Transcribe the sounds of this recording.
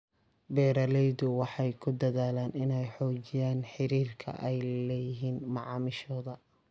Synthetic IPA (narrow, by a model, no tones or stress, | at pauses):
bɛːɾɐlɛjðʊwɑħɑjkʰʊd̪ɐðaːlaːnɪnɛjħɔːt͡ʃɪjaːnħɪɾiːrkʰɐ̰ʔɛjlɛːjɪɦiːnmɑʕɑːmɪʃɔːðɐ